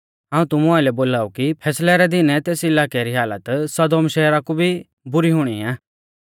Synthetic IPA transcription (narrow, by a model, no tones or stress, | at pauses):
ɦãːũt̪ʊmũaːɪlɛboːlaːukipʰɛːslɛɾɛd̪ɪnɛt̪eːsɪlaːkeaɾiɦaːlət̪sɐd̪oːmʃɛːɾakubʱi | bʊɾiɦʊɽ̃iãː